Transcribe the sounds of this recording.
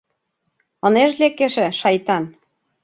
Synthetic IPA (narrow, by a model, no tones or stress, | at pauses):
ɤ̆neʃlekeʃĕʃɑjt̪ɑn